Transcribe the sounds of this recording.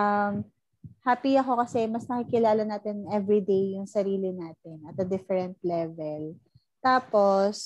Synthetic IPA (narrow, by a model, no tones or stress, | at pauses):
ʔɐm | haːpiɐko̞kɐsɛmɐsnɐkikɪlaːlɐnaːt̪ɪnʔɛvɹid̪ejːʊŋsɐɾiːlɪnaːt̪ɪnɐt̪̚ːɐd̪ɪfɛɾɛnt̪̚lɛvɛl | t̪aːpos